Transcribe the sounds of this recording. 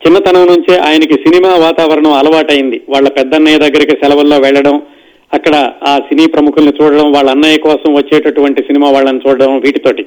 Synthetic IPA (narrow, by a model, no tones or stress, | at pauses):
t͡ʃinːɐt̪ɐnɐmnuɲt͡ʃeʔa̰ːjɐnɐkisinimaːʋaːt̪aːʋɐɾɐɳɐmɐlɐʋaːʈɐjind̪iʋaːɭːɐpɛd̪ːɐnːɐjɐd̪ɐɡːɐɾikisɛlɐʋɐlːoːʋɛɭːɐɽɐm | ɐkːɐɽɐaːsiniːpɾɐmukʰulnit͡ʃuːɽɐɽɐmʋaːɭːɐnːaːjɐkɔːsɐmʋɐt͡ʃːɛːʈɐʈuʋɐɳʈisinimaːʋaːɭːɐnut͡ʃuːɽɐɽɐmʋiːʈit̪o̞ːʈi